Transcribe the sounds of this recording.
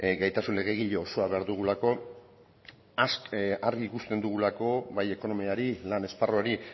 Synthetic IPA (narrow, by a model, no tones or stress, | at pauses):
ɡajt̪asunle̞ɣ̞e̞ɣ̞iʎoːso̞aβe̞aɾðuɣ̞ulako̞ | asaɾɣikust̪e̞nd̪uɣ̞ulako̞βaje̞ko̞no̞miaɾilane̞sparoaɾi